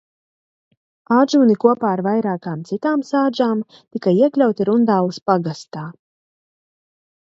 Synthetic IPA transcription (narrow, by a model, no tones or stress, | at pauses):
aːʒuːnikuɔpaːaɾvajɾaːkaːmt̪sit̪aːmsaːd͡ʒaːm | t̪ikajiɛklʲawt̪iɾund̪aːuspaɡast̪aː